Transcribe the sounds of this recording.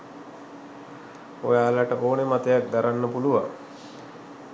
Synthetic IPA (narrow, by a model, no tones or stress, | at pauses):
ojaːlaʈəʔoːnemat̪əjak̚d̪aɾanːəpuluʋa̰ŋ